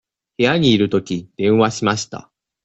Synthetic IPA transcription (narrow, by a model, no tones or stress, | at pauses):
he̞jaɲ̟iːɾɯ̟t̪o̞kʲid̪̥ẽ̞ɰ̃βaɕimaɕi̥t̪a̰